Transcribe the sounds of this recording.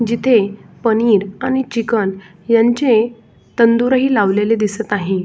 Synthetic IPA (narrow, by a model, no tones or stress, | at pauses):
d͡ʑit̪ʰepəniːɾañit͡ɕikən | jaɲt͡ɕe | t̪ənd̪uɾəɦiːlaʋleled̪isət̪naɦĩ